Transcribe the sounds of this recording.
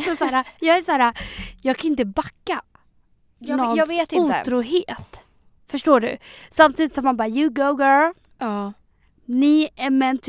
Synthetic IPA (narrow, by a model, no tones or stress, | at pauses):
sɔsaːɾajɑːɡæʂæːɾajɑːɡkʰaɪnt̪̬əbakːa | nɔnːeːt̪ɪuːt̪ʰɾuːɦeːt̪ | fœʂʈoːɖɵ̰samt̪ʰiːd̪ɪt̪sɔmːanbɑːɾajʉɡoʊɡə | nɪɛɾmɛnt̪ʰ